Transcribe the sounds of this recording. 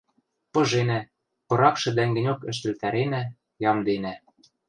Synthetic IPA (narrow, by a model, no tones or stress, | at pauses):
pɤ̆ʒenæ | pɤ̆ɾɑkʃɤ̆d̪æŋɡɘ̆nʲokɘ̆ʃ̬t̪ɘ̆lt̪æɾenæ | jɑmd̪enæ